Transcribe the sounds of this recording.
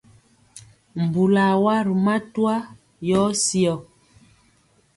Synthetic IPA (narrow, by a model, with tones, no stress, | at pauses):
m̩˨bu˨la˨wa˦ɾu˨ma˦twa˦ | jɔ˨˦si˦ɔ˨